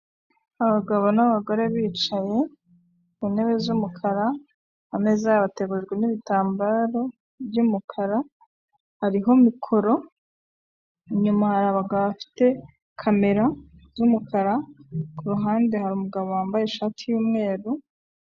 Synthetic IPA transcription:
aβaɡaβonaβaɡo̞ɾe̞βiːt͡ʃaje̞ | kune̞βe̞zumukʰaɾa | βamezaβate̞ɡuʒɡweniβitaːmbaɾo̞ | bjumukʰaɾa | haɾiɦo̞mikʰo̞ɾo̞ | ɲumahaɾaβaɡaβoβafi̥te̞ | kʰame̞ɾazumukʰaɾakuɾuɦaːnde̞haɾuːmuɡaβowaːmbajeʃaːtʰijuːmŋe̞ːɾu

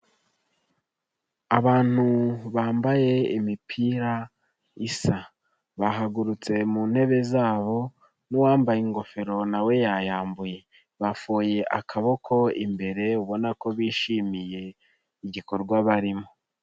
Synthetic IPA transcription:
aβaːn̥huβaːmbaje̞imipʰiːɾa | isa | βaɦaɡuɾut͡se̞muːn̥he̞βe̞zaːβo̞ | nuwaːmbajiŋɡo̞fe̞ɾo̞nawe̞jajaːmbuje̞ | βafuːje̞ʔakʰaβokʰo̞ḭmbe̞ɾe̞uβo̞nako̞βiːʃiːmije̞ | iɟiko̞ɾɡwaβaɾimo

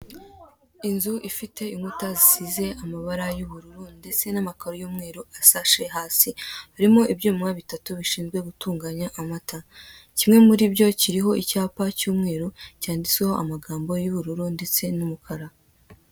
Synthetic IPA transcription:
inzuʔifite̞iŋɡutazisize̞ʔamaβaɾajuβuɾuɾunde̞t͡se̞namakoɾojuːmŋe̞ːɾoasaʃe̞ɦaːsiβaɾimoʔibjuːmŋaβitatuβiʃiːnzɡwe̞ɡutuːŋɡaɲaʔamata | cimŋe̞muɾibɟociɾiɦo̞ʔicaːpacuːmŋe̞ːɾocaːndit͡sweho̞ʔamaɡaːmbo̞juβuɾuɾunde̞t͡se̞numukʰaɾa

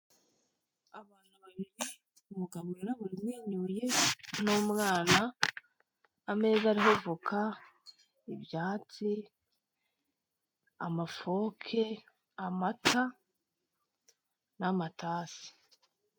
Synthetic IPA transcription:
aβaːn̥huβaβiɾi | umuɡaβoeɾaβuɾimeɲuːje̞nomŋaːna | me̞ːzaɾiɦo̞vukʰa | ibjaːt͡si | amafo̞kʰe̞ | amatʰa | namataːsi̥

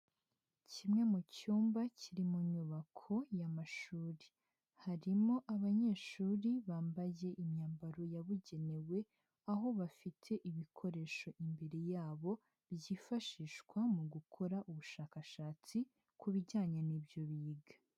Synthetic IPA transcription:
cimŋe̞mucuːmbaciɾimuɲuβakʰo̞jamaʃuːɾi | haɾimo̞ʔaβaɲe̞ːʃuːɾiβaːmbaje̞ʔimɲaːmbaɾojaβuɟe̞ne̞we̞ | aɦo̞βafitʰe̞ʔiβikʰo̞ɾe̞ʃo̞ʔimbe̞ɾe̞jaːβo̞ | bjiːfaʃiːʃkwamuɡukʰo̞ɾaʔuβuʃaːkaʃaːt͡si | kʰuβiɟaːɲenibjo̞βiɡḁ

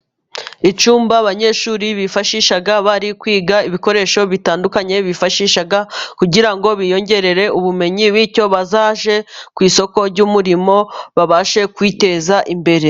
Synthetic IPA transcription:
it͡ʃuːmbaβaɲe̞ʃuːɾiβifaʃiʃaɡaβaːɾikwiːɡaiβiko̞ɾe̞ːʃo̞βitaːndukaɲe̞βifaʃiːʃaɡakuɟiɾaŋɡo̞βijo̞ɲɟe̞ɾe̞ɾe̞uβume̞ɲiβico̞βazaːʒe̞kwiːso̞ko̞ɾɟuːmuɾimo̞βaβaːʃe̞kwiːte̞ːzaʔimbe̞ɾe̞

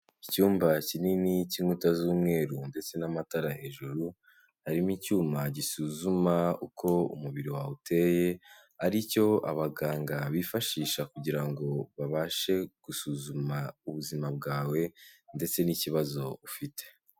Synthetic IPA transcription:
icuːmbacininiciŋutazuːmŋe̞ːɾunde̞t͡se̞namataɾahe̞ːʒuɾu | haɾimicuːmaɟisuːzumaukʰo̞ṵmuβiɾiwaute̞je̞ | aɾico̞a̰βaɡaːŋɡaβifaʃiːʃakuɟiɾaŋɡo̞βaβaʃe̞ɡ̥usuːzumauβuzimab̚ɡaːwe̞nde̞t͡se̞niciβazo̞ufite̥

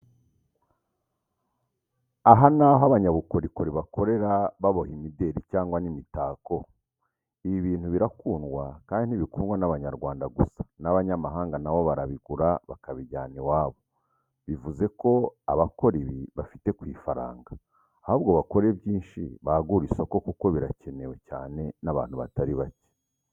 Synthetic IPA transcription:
aɦanaɦoaβaɲaβuko̞ɾikoɾiβakoɾe̞ɾaβaβo̞himide̞ːɾicaːŋɡwanimitaːko̞ | iβiːnhuβiɾakuːnɡwakaːndiniβikuːnɡwanaβaɲaɾɡwaːndaɡusḁnaβaɲamaɦaːŋɡanaβo̞βaɾaβiɡuɾaβakaβiɟaːnewaːβo̞ | βivuze̞ko̞aβako̞ɾiβiβafi̥te̞kwiːfaɾa̰ːŋɡaː | hobɡo̞βako̞ɾebɟiːnʃḭβaɡuɾiswako̞kuko̞βiɾace̞ne̞we̞ca̰ːne̞naβa̰ːn̥huβataɾiβace̥

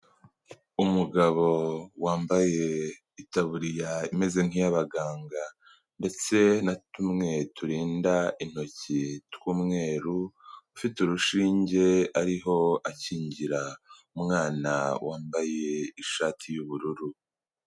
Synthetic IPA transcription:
umuɡaβo̞waːmbaje̞ | itaβuɾijaime̞ze̞ŋ̥ijaβaɡaːŋɡa | nde̞t͡se̞natumŋe̞tʰuɾiːndain̥ho̞citwuːmŋe̞ːɾuufituɾuʃiːɲɟe̞aɾiɦo̞aciːɲɟiɾa | umŋaːna̰waːmbaje̞iʃaːtʰijuβuɾuɾu

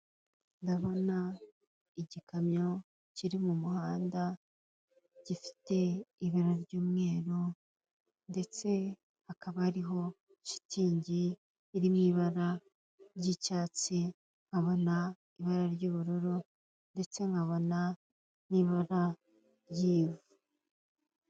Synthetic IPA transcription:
ndaβo̞na | iɟikʰamɲo̞ | ciɾimumuhaːnda | ɟifi̥te̞iβaɾaɾɟuːmŋe̞ːɾu | nde̞t͡se̞ | hakaβaaɾiɦo̞ | ʃi̥tiːɲɟiː | ɾimŋiːβaɾa | ɾɟicaːt͡si | ŋaβo̞na | iβaɾaɾɟuːβuɾuɾo | nde̞t͡se̞ŋɡaβo̞na | niːβaɾa | jiːvu̥

